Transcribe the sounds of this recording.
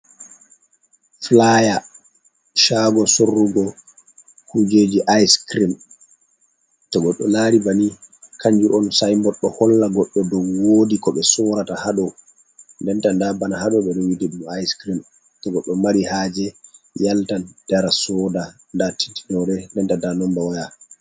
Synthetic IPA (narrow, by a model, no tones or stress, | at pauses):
flaja | ʃaɡɔsorːuɡɔ | hud͡ʒed͡ʒiʔajskɾim | tɔɡɔɗːɔnaːɾibanikʰaɲd͡ʒuʔɔnsajmɔɗːɔhɔlːaɡɔɗːɔdɔwwoːdikɔɓɛsɔɾatahaɗɔ | ndɛntandabanahaɗɔɓɛɗɔwidɛɗumajskɾim | tɔɡɔɗːɔmaɾihaːd͡ʒɛjaltand̥aɾasɔda | ndati̥nti̥nɔɾɛndɛntandanɔmbawaja